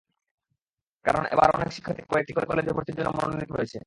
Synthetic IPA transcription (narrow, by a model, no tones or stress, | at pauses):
kaɾonḛba̰ɾɔnekʃi̥kʰːat̪ikɔek̚ʈikɔekɔled͡ʑbʱeboɾt̪iɾd͡ʑonːomononnit̪oɦoet͡ɕʰe